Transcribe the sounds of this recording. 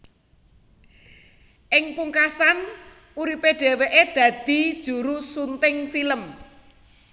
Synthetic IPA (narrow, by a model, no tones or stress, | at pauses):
ʔɪŋpuŋkasan | ʔuɾipeɖ̥ɛ̤weʔed̪̥ä̤d̪̥i̤d̥ʒ̥ṳɾusunt̪ɪŋfiləm